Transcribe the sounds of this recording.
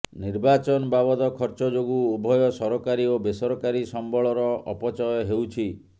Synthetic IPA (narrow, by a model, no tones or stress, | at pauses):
niɾbat͡ʃɔnɔbabɔd̪ɔkʰɔɾt͡ʃɔd͡ʒoɡuubʱɔjɔsɔɾɔkaɾiobesɔɾɔkaɾisɔmbɔɭɔɾɔɔ̰pɔt͡ʃɔjɔɦewt͡ʃʰi